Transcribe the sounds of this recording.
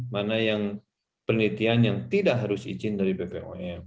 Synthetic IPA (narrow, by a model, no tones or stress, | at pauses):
manajaŋ | pərnlit̪ianjaŋt̪idaʔɦaɾʊsḭd͡ʒɪndaɾipepeʔoɛ